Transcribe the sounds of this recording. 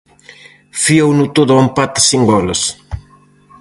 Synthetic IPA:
fiownut̪oðʊampat̪ɐ̥siŋɡɔlɐs

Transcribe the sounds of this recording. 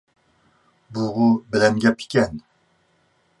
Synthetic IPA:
buʁubɪlɛmɡʲɛpʰi̥kʲɛn

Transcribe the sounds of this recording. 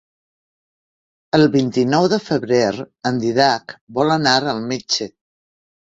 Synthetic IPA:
əlˠβint̪inɔwðəfəβɾeɾənd̪iðakbɔlənaɾəlˠmet͡ʃə

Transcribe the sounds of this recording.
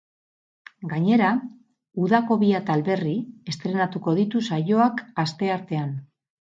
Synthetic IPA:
ɡaɲe̞ɾa | uðako̞βiat̪alβe̞rie̞st̪ɾe̞nat̪uko̞ð̞it̪usajo̞akast̪e̞aɾt̪e̞an

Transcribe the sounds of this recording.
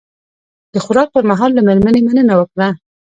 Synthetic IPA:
d̪̥əxʊɾɑk̚pəɾmaɦɑlːameɾmanemanənawəkɽa

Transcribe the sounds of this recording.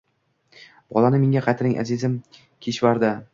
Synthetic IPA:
b̥ɒ̰lˠanɪmeŋʲaqʰɑt̪ʰɾɪŋʔa̰zɪzɪm | kʲʰeʃvaɾd̪a

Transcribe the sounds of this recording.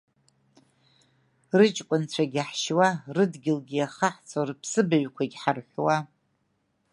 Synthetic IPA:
rɨt͡ʃʼkʷʼʊnt͡sʷʰaɡʲaħʃwarɨdɡʲɪlɡʲiaχaħt͡sʰarpʰsɨbaɥkʷʰaɡʲħarħʷwa

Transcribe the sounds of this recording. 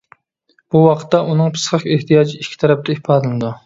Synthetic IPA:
b̥uwɑqʰə̥t̪ːɑʔunɨŋpʰɨ̥sχəqeht̪ʰijɑːd͡ʒiikʲʰːi̥t̪ʰɛɾɛp̚t̪ʰɛipʰɑːd̪ɨlɨnɨd̪u

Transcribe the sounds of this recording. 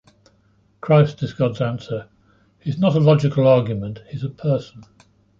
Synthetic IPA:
kʰɹ̥aɪstɪzɡɒdzãnsə | hiznəɾəlɒd͡ʒɪkəlɑːɡjəmə̃nthizəpʰɜˑsə̃n̩

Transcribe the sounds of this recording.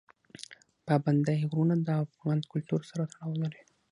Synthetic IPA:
pɑband̪ajɣɾunad̪əafɣɑnkʊlt̪uɾsaɾat̪aɽɑwlaɾi

